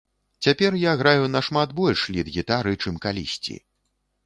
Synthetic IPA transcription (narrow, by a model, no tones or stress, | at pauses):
t͡sʲapʲɛrjaɣɾajunɐʂmat̪bɔlʲʂlʲid̪ɣʲit̪aɾɨt͡ʂɨmkalʲḭsʲt͡sʲḭ